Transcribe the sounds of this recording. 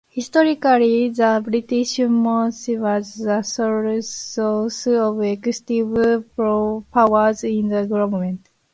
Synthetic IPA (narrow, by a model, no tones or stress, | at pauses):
hist̪oɾikaɾiðabɾit̪iɕmmosiwazdasoɾosɨoβekst̪ivpopawazĩnd̪aɡuɾabmẽnt̪